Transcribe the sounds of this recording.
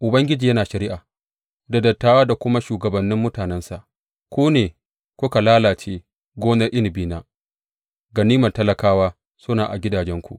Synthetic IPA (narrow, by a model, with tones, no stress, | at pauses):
ʔʊ˨bɐ˦ŋɡʲɪ˦d͡ʒiː˨jɐ˦naː˨ʃɐ˨ɾɪ˦ʔaː˨ | da˨dɐ˨tːaː˦waː˦da˨kʷʊ˦ma˦ʃuː˨ɡɐ˨bɐ˨nːɪ˦mːʊ˦taː˨nɛ˦nsa˨ʔ | kʷuː˦neː˨ | kʷʊ˦ka˨laː˦laː˨t͡ʃeː˦ | ɡʷoː˦nɐ˦ʔɪ˦n˨biː˦naː˨ | ɡa˨niː˦mɐ˨tɐ˦lɐ˨kaː˦waː˦ | sʊ˦naː˨ʔa̰˨ɡʲɪ˦daː˨d͡ʒɛ˦ŋkʷṵ˨ʔ